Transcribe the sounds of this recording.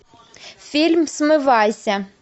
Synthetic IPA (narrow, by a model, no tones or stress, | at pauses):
fʲilʲmsmɪʋɑjsʲɐ